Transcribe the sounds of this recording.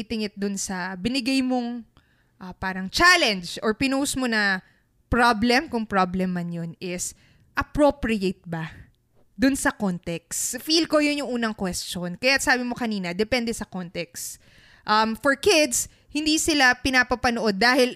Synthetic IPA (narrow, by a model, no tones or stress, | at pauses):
t̪ɪŋɪt̪̚d̪ʊnsɐbɪnɪɡajmoŋ | ʔɐpaːɾɐŋt͡ʃalɛnd͡ʒʔoɹpɪnusmonɐ | pɹablɛmkʊŋpɹoblɛmːɐnjonɪs | ʔɐpɹopɹɪjet̪̚bɐ | d̪ʊnsɐkont̪ɛksfilkojʊnjʊŋʔuːnɐŋkwɛst͡ʃonkɐjasaːbɪmo̞kɐniːnɐd̪ɛpɛnd̪ɛsɐkont̪ɛks | ʔɐmfoɹkɪd̪s | hɪnd̪iːsɪlapɪnapɐpɐnoʔo̞d̪̚ːaːhɪl